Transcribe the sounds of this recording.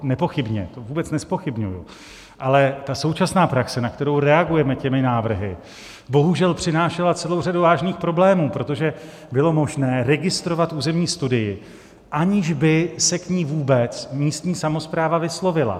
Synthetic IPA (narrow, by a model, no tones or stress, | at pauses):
nɛpo̞xɪbɲɛ̰t̪ovuːbɛt͡snɛspo̞xɪbɲujʊ̰ | ʔalɛt̪aso̞wt͡ʃasnaːpɾaksɛnakt̪ɛɾo̞wɾɛaɡujɛmɛcɛmɪnaːvr̩ɦɪ | bo̞ɦuʒɛlpr̝̥ɪnaːʃɛlat͡sɛlowr̝aduvaːʒniːxpɾo̞blɛːmuːpɾo̞t̪o̞ʒɛ | bɪlo̞mo̞ʒnɛːɾɛɡɪst̪ɾo̞vat̪ʔuːzɛmɲiːst̪udɪjɪ | ʔaɲɪʒbɪsɛkɲiːvuːbɛt͡smiːst̪ɲiːsamo̞spɾaːvavɪslo̞vɪla̰